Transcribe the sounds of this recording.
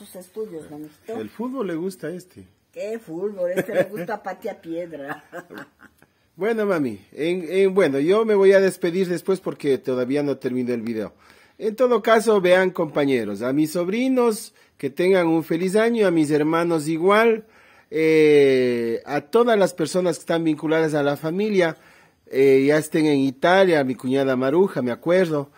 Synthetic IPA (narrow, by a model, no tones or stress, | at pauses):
usest̪uðjozmamisoelfuð̚βo̞lːeɣust̪aest̪e | kefud̪βolest̪emeɣust̪apat̪japjeðɾa | bwe̞nomamḭenenbwe̞no̞ʝo̞me̞βo̞jaðe̞spe̞ðiɾðe̞spwe̞spo̞ɾke̞t̪oðaβiano̞t̪e̞ɾmĩnoelβiðeo̰ | e̞nt̪o̞ðo̞kaso̞βeaŋko̞mpaɲe̞ɾo̞samisːo̞βɾino̞s | ke̞t̪e̞ŋɡaŋuɱfe̞lis̬aɲoamis̬e̞ɾmãno̞s̬iɣwal | e | at̪o̞ðazlaspe̞ɾso̞naskest̪ambiŋkulaðas̬alafamilja | eʝaest̪e̞ŋe̞ŋit̪aljamikuɲaðamaɾuxameakwe̞ɾðo̞